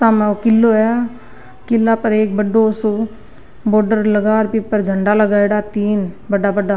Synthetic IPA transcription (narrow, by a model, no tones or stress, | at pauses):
t̪aːmɛ̃okɪlːoɦɛ | kɪlːapɐɾeːk̚bəɖosu | boːɾɖəɾləɡaːɾpipəɾd͡ʒʱəɳɖaləɡaːeɽat̪iːn | bəɖaːbəɖa